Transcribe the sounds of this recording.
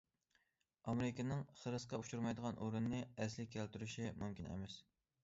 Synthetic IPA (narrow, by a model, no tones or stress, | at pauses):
ɑmeɾɪkʲɪnɪŋχəɾɨsqɑut͡ʃʰuɾmɑjd̪əʁɑnʔuɾɨnːɨɛslɪkʲʰːælt̪yɾyʃimumkʲinɛ̰mɛs